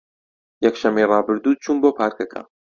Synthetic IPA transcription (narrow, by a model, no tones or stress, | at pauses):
jɛkʃɐmejrɑːbɨɾd̪uːd̪̚t͡ʃʰuːnboːpʰaːɾkɐkʰa̰